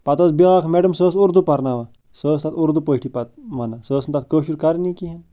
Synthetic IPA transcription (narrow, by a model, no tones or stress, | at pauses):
pɐt̪osbiɣakʰmeɖəmsəːsuɾd̪upɐɾnaʋa | səːst̪at̪uɾd̪upəɦʈʰipɐt̪ʋɐnasəːsnt̪at̪̚kəːʃuɾkaɾnikiɦen